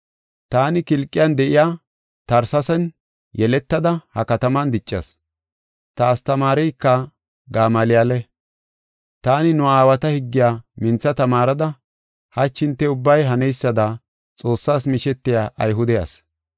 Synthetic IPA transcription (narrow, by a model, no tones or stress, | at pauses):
t̪aːnɪkɪlkʼːɪjand̪ɛʔɪjaː | t̪ɐɾsɐsɛn | jɛlɛt̪ːɐd̪ɐhɐkɐt̪ɐmɐnd̪ɪt͡ʃʼːɐ̰s | t̪aːst̪ɐmaːɾɛjkːɐ | ɡaːmaːlɪjalɛ | t̪aːnɪnʊaːwɐt̪ɐhɪɡːɪjaːmɪnt͡sːɐt̪ɐmaːɾɐd̪ɐ | hɐt͡ʃːɪnt̪ːɛʊbːɐjɦɐnɛjsːɐd̪ɐ | t͡sʼo̞ːsːaːsmɪʃɛt̪ːɪjaːʔɐ̰jɦʊd̪ɛjɐ̰s